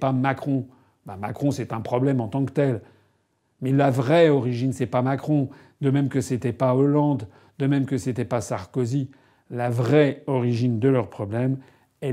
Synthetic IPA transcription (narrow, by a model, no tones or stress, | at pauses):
pamakχɔ̃ | bama̰kχɔ̃sɛt̪ɛ̃pχɔblɛmɑ̃t̪ɑ̃kt̪ɛl | mɛlavʁɛɔʁiʒinsɛpamakχɔ̃ | d̪əmɛmkəset̪ɛpaolɑ̃d̪ | d̪əmɛmkəset̪ɛpasaʁkozi | lavʁɛɔʁiʒind̪əlœʁpχɔblɛm | ɛ